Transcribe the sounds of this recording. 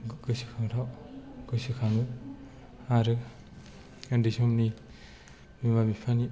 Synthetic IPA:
ɡɯsikʰaŋtʰawɡ̥ɯsikʰaŋnɯ | aɾɯ | kandisɔmni | mimamipʰani

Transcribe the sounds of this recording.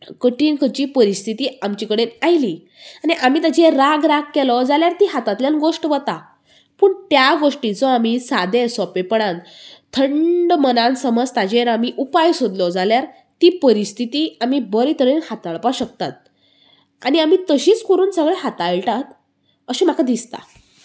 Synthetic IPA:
kəʈiːnkʰət͡ɕiːpəɾist̪ʰit̪iːamt͡ɕikəɽeajli | aniʔam̤iːt̪ad͡ʑeɾaɡɾaɡ̚kɛlɔd͡zaljaɾt̪iɦat̪at̪ljanɡoʂʈəʋət̪a | pəːɳt̪jaɡoʂʈit͡sɔamisad̪esɔpepəɽãnt̪ʰəɳɖmənãnsəməd͡zt̪ad͡ʑeɾamiʔupajsod̪lɔd͡zaljaɾ | t̪iːpəɾist̪ʰit̪iːamibəɾit̪ʰəɽenhat̪aɭpaɕək̚t̪at̪̚ | aɽiam̤it̪əɕiːt͡skoɾuːnsəɡɭeɦat̪aɭʈat̪ | əɕim̤akad̪ist̪a̰

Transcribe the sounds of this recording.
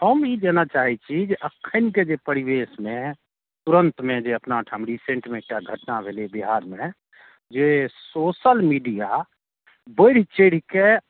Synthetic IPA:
ɦəmjed͡ʒaːnat͡ʃaːɦit͡ʃʰid͡ʒeʔəkʰːənked͡ʒepəɾɪweːsmẽ | t̪ʊɾə̃nt̪mẽd͡ʒeəpnaʈʰə̃mɾisẽːɳʈimẽʈaɡʱəʈnabʱeːlebiɦaːɾmẽ | d͡ʒesoːsəlmiːɖija | bəɽ̤it͡ʃeːɽ̤ike

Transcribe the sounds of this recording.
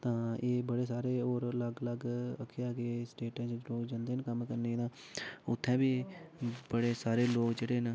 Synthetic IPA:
t̪ãːeːbəɽeːs̬aːɾeːoːɾələɡləɡəkʰːeaːɡesʈeːʈãːt͡ʃloːkd͡ʒãːnd̪eːnkəmkəɾneːd̪ãː | ʊt̪ʰːɛ̃ːbiː | bəɽeːsaːɾeːloːkd͡ʒeːɽeːn

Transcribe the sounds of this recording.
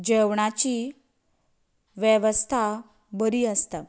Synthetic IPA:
d͡ʑeʋɳat͡ɕi | ʋjeʋəst̪ʰa | bəɾiːəst̪a

